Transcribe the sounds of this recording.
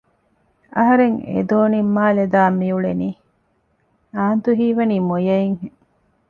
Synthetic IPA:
ʔɐɦɐɾeŋḛd̪oːnimːaːled̪aːmːijuɭeniː | aːnt̪uɦiːʋɐniːmojɐiŋhe

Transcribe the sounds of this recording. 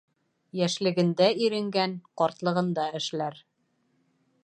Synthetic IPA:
jæʃlɘ̆ɡɘ̆nd̪æiɾɘ̆ŋɡænqɒɾt̪lˠɤ̆ʁɤ̆nd̪ɑɘ̆ʃlæɾ

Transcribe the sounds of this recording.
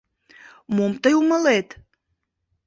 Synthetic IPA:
momt̪əjuməlet̪

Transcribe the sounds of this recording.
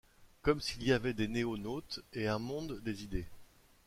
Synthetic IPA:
kɔmsiliavɛd̪eneonot̪eɛ̃mɔ̃d̪ːezid̪e

